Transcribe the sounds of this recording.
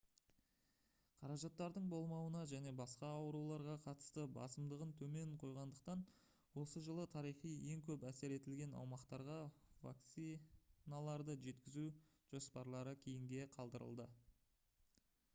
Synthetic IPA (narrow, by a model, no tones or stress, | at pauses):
qʰɑɾɑʒɑt̪ːɑɾd̪əɴbo̞lˠmɑwənɑʒæne̞bɑsqɑːwəɾulˠɑɾʁɑqʰɑt̪ə̥st̪əbɑ̰səmd̪əʁənt̪ʰɵme̞ŋqʰo̞jʁɑnd̪əq̚t̪ɑn | wo̞səʒəlˠət̪ʰɑɾijχije̞ŋkʲʰɵpæse̞ɾe̞t̪ɪlɡʲe̞nɑ̰wmɑqt̪ɑɾʁɑva̰k̚t̪sinalˠɑɾd̪əʒe̞t̪kʲɪzu | ʒ̥o̞spɑɾlˠɑɾəkʲʰejɪŋɡʲe̞qʰɑlˠd̪əɾə̰lˠd̪ə